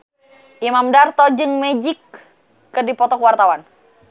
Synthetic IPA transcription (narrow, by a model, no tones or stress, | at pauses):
ʔimamdart̪ɔd͡ʒɨŋmɛd͡ʒikː | ədipɔt̪ɔkwart̪awan